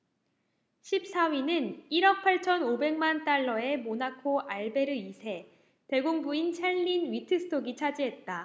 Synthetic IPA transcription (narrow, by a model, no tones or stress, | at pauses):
ɕʰip̚s͈ʰawinɯniɾʌk̚pʰaɭt͡ɕʰʌnobe̞ŋmant͈aɭːʌe̞monakʰoaɭbe̞ɾɯisʰe̞ | te̞ɡoŋbuint͡ɕʰaɭːinɥitʰɯsʰɯ̥tʰoɡit͡ɕʰad͡ʑiɦe̞t̚t͈a